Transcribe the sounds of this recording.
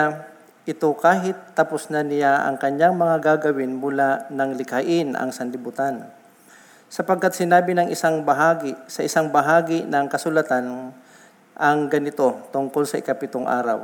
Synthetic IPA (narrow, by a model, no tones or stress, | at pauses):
ʔɪt̪o̞kaːɦɪt̪ːɐpʊsnanɪjaʔɐ̰ŋkɐɲjaŋmɐŋaɡaɡɐwɪnmʊlaʔnɐŋlɪkaʔɪnʔɐ̰ŋsɐnlɪbʊt̪an | sɐpɐɡ̚kːat̪̚sɪnaːbɪnɐŋʔɪsaŋbɐɦaːɡɪsɐʔɪsaŋbɐɦaːɡɪnɐŋkɐsʊlɐt̪an | ʔɐŋɡɐnɪt̪o̞t̪ʊŋko̞lsɐʔɪ̰kapɪt̪oŋʔa̰ːɾɐ̰w